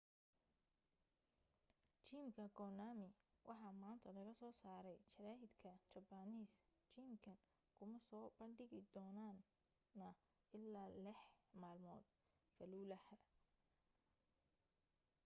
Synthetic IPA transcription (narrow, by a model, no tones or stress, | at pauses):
t͡ʃiːmkʰɐɡɔːnaːmɪwʔɑħɑmaːnt̪ʰɐlɐɣɐsɔːsaːɾɛjt͡ʃʰɐɾaːɦɪd̪kʰɐt͡ʃɐbaniːst͡ʃiːmkʰɐn | kʰʊmɐsɔːbɐɳɖɪɣɪd̪ɔːnaːnː | ɐ | ɪlːaːlɪħmaːlmɔ̰ːd̪̚ | fɐluːlɐhɐ